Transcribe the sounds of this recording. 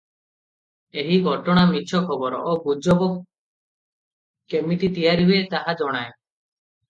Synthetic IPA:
eɦiɡʱɔʈɔɽ̃amit͡ʃʰʃʰɔkʰɔbɔɾɔ̰ʔobud͡ʒɔbɔ | kemiʈit̪ijaɾiɦuet̪aɦad͡ʒɔɽ̃ae

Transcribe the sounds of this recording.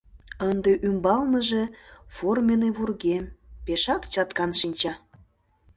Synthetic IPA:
ənd̪eʔymbɑlnəʒeformʲeneβurɣempeʃɑkt͡ɕɑt̪kɑnʃinʲt͡ɕɑ

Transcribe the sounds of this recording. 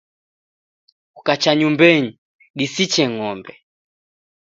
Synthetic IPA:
ukat͡ʃaɲumbɛɲi | ɗisit͡ʃɛŋɔmbɛ

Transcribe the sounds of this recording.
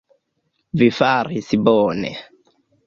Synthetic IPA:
vifaɾisibɔːnɛ̰

